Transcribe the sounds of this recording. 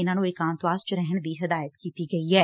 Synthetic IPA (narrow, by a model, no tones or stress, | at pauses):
ɪnãːnũːɪːkaːmt̪oaːst͡ʃəɾɛɦəɳd̪iːɦɐd̪aːjət̪kiːt̪iːɡɐiɦɛː